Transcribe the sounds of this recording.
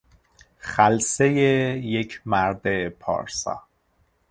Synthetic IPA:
xælsejejecʰmæɾd̪epʰɒ̰ːɾsɒ̰ː

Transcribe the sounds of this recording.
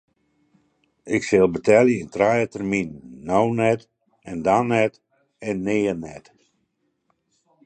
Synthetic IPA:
ɪksɪlˠbətʰɛljəɪntrajətərminːownɛt | ɛndanɛt | ɛnːeːənɛt

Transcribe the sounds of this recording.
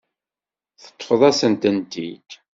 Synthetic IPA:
θə̥t̪ˤːfəðˤæsənt̪ənt̪ḭd̪

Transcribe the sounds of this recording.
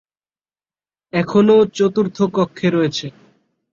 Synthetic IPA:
ɛkʰonot͡ɕot̪uɾt̪ʰokɔkʰːeɾɔet͡ɕʰe

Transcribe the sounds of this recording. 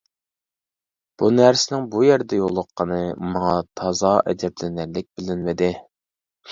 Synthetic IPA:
b̥unæɾsɪnɪŋbujæɾd̪ɛjolˠːəqʰːɑnɨmɑŋɑt̪ʰɑzɑʔɛ̰d͡ʒ̪ɛplɪnæɾlɪk̚ʲbɪlɪnmɪd̪ɪ

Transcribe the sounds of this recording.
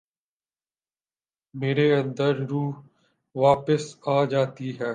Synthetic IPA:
meːɾeə̃nd̪əɾɾuː | ʋaːpəsaːd͡ʒaːt̪iɦɛː

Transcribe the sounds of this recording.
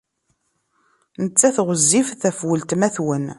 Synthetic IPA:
nət͡sːæθʁəzːifθæfwəlt̪mæθwən

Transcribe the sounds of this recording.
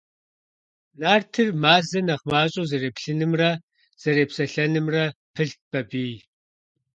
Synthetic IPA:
naːrtʰɨrmaːzɐnɐχmaːɕʼozɐreːpɬɨnɨmrɐ | z̥ɐɾeːpsɐɬɐnɨmrɐpʰɨɬ̚b̥ɐbiː

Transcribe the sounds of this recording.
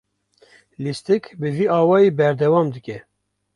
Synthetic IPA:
list̪ɨkbɨviːʔɑːwɑːjeːbɛɾd̪ɛwɑːmd̪ɨkʲɛ

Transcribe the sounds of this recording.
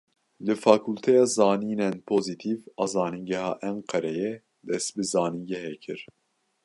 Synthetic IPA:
lɨfɑːkʰult̪ʰɛjɑːzɑːniːnɛnpʰoːzit̪ʰiːvɑːzɑːniɡɛhɑ̰ːʔɛɴqʰɛɾɛjɛ | d̪ɛst̪̚bɨzɑːniːɡɛhɛkʰɨɾ

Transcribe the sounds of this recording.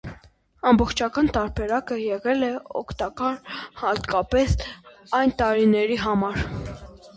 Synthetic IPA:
ɑmbɔχt͡ʃʰɑkɑnt̪ɑɾbɛɾɑkəjɛʁɛlɛɔ̰kʰt̪ɑkɑɾhɑt̪kɑpɛs | ɑjnt̪ɑɾinɛɾiɦɑmɑɾ

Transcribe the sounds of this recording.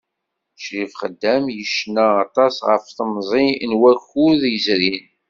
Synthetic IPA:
ʃɾifχəd̪ːæmjəʃnæːt̪ˤɑsʁə̰fθəmzˤinwæxuðjəzɾin

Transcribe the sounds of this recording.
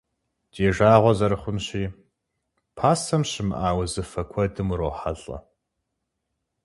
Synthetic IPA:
deːʒaːʁʷɔzɐɾɨχʷʊnɕiː | pʰaːsɐmɕɪmʔaːwɐzɨfɐkʷʰɔdɨmroːħaɬʼɐ̰

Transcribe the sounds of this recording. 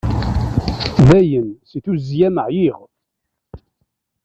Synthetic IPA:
ðæjənsiθuzjæməʕjiʁ

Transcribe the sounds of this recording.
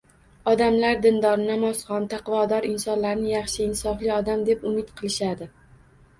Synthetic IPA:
ɒd̪amlaɾd̪ɪnd̪ɒɾnamɒzχɒnt̪ʰɑqvɒd̪ɒɾɪnsɒnlaɾnɪjɑχʃɪːnsɒflɪɒd̪amd̪epʊmɪt̪qʰɨlˠɪʃad̪ɪ

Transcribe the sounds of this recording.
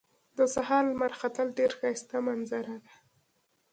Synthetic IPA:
d̪əsaɦɑɾlmaɾxat̪əlɖeɾxast̪amanzaɾad̪a

